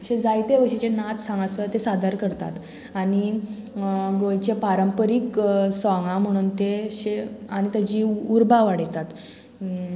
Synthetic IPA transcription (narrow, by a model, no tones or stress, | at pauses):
əɕẽd͡zajt̪eʋəɕit͡ɕenat̪ʰsãŋɡasət̪esad̪ʱaɾkəɾt̪a̰t̪ | aɽ̃i | ɡojt͡ɕepaɾəmpəɾiksɔŋɡãm̤əɽ̃uːnt̪eɕeañit̪jad͡ʑiːuɾbaʋaɽ̤it̪at̪